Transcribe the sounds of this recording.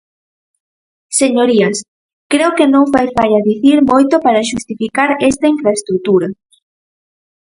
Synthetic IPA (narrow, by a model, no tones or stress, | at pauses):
seɲoɾiɐs | kɾeokenõŋfajfaʎɐðiθiɾmojt̪opaɾɐʃust̪ifikaɾɛst̪ɐiɱfɾaest̪ɾut̪uɾɐ